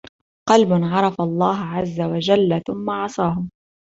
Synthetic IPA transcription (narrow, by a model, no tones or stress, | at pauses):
qɑlbʊnʕɑɾˤɑfalˤːɑːɦʕazːawad͡ʒalːθʊmːaʕɑsˤɑːɦʊm